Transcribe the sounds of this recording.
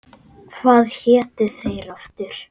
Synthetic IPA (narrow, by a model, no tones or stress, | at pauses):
kʰvaːðçɛːt̪ʏθejɾaft̪ʏɾ̥